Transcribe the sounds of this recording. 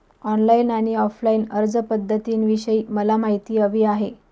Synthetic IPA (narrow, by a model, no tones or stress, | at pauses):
ɔnlainaɽ̃iɔflainəɾd͡zəpəd̪ʱːət̪iːnʋiɕəiːməlamaɦit̪iːəʋiːaɦe